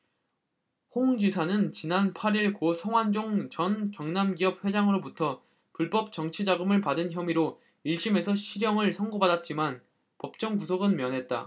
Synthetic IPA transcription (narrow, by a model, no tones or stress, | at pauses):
hoŋd͡ʑisʰanɯnt͡ɕinanpʰaɾiɭkosʰʌŋwand͡ʑoŋt͡ɕʌnt͡ɕʌŋnamɡiʌp̚ɸwe̞d͡ʑaŋɯɾobutʰʌ | puɭp͈ʌp̚t͡ɕ͈ʌŋt͡ɕʰid͡ʑaɡɯmɯɭpadɯnçjʌmiɾo | iɭɕ͈ime̞sʰʌɕʰiɾjʌŋɯɭsʰʌŋɡobadat̚t͡ɕ͈iman | pʌp̚t͡ɕ͈ʌŋkusʰoɡɯnmjʌnɦe̞t̚t͈a̰